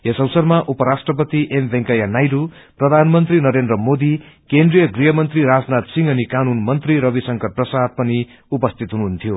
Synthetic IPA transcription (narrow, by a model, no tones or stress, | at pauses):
ɦesʌwsʌrmaʔupʌɾasʈrʌp̬ʌt̪iʔembʱeŋkajanajɾu | prʌd̪ʱanmʌnt̪rinʌɾend̪rʌmod̪ikend̪rijʌɡrijʌmʌnt̪riɾad͡znat̪siŋʌnikanunmʌnt̪riɾʌbisʌŋkʌrprʌsad̪̚pʌni | upʌst̪ʰit̪ɦunuɦunt̪ʰijo